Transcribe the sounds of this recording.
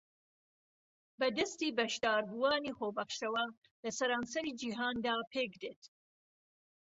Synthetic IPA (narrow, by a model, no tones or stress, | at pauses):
bɐd̪ɐst̪iːbɐʃd̪ɑːɾbuwɑːniːxobɐχʃɐwɐ | lɐsɐɾɑːnsɐɾiːd͡ʒiɦɑːnd̪aːpʰeːkd̪eːt̪